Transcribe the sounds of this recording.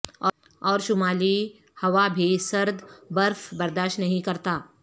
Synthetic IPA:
ɔ | ɔːɾʃʊmaːli | hɐʋabʱisɐɾd̪bɐɾfbɐɾd̪aːʃnɐɦĩkɐɾt̪aː

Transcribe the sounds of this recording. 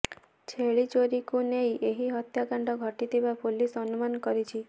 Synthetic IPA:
t͡ʃʰeɭit͡ʃoɾikunejʔeɦiɦɔt̪jakaɳɖɔɡʱɔʈid̪ʱebapolisɔnumankɔɾit͡ʃʰi

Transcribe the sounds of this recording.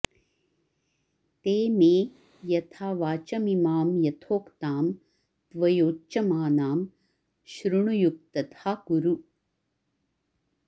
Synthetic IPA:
t̪eːneː | jɐt̪ʰaːʋaːt͡ʃɐmimaːmjɐt̪ʰoːkt̪aːm | t̪ʋɐjoːt͡ʃɐmaːnaːm | ʃɾuɳujuk̚t̪ɐt̪ʰaːkuɾu

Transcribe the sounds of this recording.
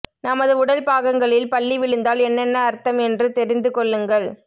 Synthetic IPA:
nɐmɐðɯʊɽɐlpaːɣɐŋɡɐɭɪlpɐɭːiʋɪɭɯnd̪aːlɛnːɛnːɐːɾt̪ɐmɛndrɯt̪ɛɾɪnd̪ɯkɔɭːɯŋɡɐɭ

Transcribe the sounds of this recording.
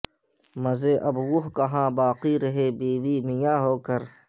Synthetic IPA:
mɐzeːʔɐbɡʊɦkɐɦãːbaːqiɾɐɦeːbiːwiːmɪjãːɦoːkəɾ

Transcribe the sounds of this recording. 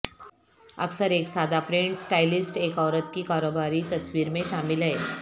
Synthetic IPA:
ə̰ksəɾeksad̪ʱapɾeɳʈsʈajlisʈekɔʋɾət̪̚kiːkaɾobaɾiːt̪əsʋiːɾmeɕamilaɦe

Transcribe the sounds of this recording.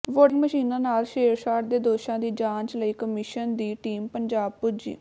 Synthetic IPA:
ʋoːŋɡməʃiːnãːnaːlʃeːɾʃaːʈd̪eːd̪oːʃãːd̪iːd͡ʒãːɲt͡ʃləiːkəmɪʃənd̪iːʈiːmpəɲd͡ʒaːb̚pʊɾd͡ʒḭː

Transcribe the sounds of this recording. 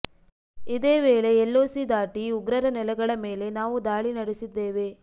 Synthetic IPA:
id̪e̞ːʋeːɭe̞ːlːoːsid̪aːʈiuɡɾɐɾɐnɛlɐɡɐɭɐme̞ːle̞naːʋud̪aːɭinɐɽesid̪ːeːʋe

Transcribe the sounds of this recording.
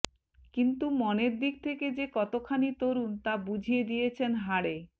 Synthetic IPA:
kint̪umɔneɾd̪ik̚t̪ʰeked͡ʑekɔt̪okʰanit̪oɾunt̪abud͡ʑʱijed̪ijet͡ɕʰenɦaɽe

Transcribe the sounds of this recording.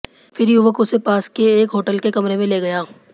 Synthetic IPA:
fɪɾjuʋəkʊsepaːskeːkɦoːʈəlkekɐmɾemẽleːɡɐjaː

